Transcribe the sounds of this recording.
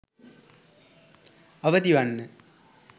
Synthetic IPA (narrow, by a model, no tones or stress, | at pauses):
ɐʋɐd̪iʋɐɳːɨ